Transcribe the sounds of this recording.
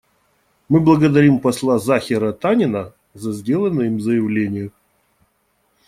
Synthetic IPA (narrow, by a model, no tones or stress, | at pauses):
mɨblˠəɡəd̪ɐɾʲimpɐslˠazaxʲɪɾət̪anʲɪnə | zɐzʲdʲe̞lˠənːɨjɪmzəjɪvlʲenʲɪjʊ